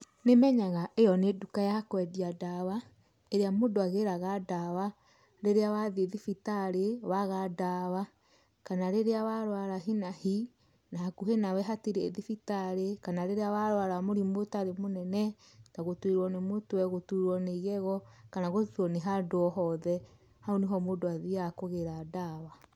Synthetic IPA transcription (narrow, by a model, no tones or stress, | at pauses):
nemɛɲaɣaʔejɔnedukajahakwɛdiadawa | eɾeamodoaɣeɾaɣadawa | ɾeɾeawaðieðifitaɾewaɣadawa | kanaɾeɾeawaɾwaɾaɦinahi | naɦakuɦenawɛɦatiɾeːðifitaɾekanaɾeɾeawaɾwaɾamoɾimotaɾemonɛnɛ | taɣotwiɾwɔnemotowɛɣotuɾwɔneiɣɛɣɔkanaɣotuɔneɦadoɔɦɔðɛ | haoniɦɔmodoaðiakoɣeɾadaβa